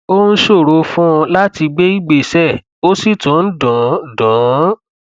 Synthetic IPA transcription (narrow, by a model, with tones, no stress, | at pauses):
o˦n̩˦ʃo˦˨ɾo˨˦fũ˦˧la˦ti˧ɡ͡be˦i˦ɡ͡be˦˨sɛ˦˨ | o˦si˦˨tũ˨˦n̩˦dɔ̃˨˦dɔ̃˨˦